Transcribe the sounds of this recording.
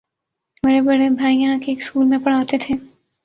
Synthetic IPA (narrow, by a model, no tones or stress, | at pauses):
meːɾebɐɽebʱaːijɐɦãkeːkskuːlmẽpɐɽ̤aːt̪et̪ʰeː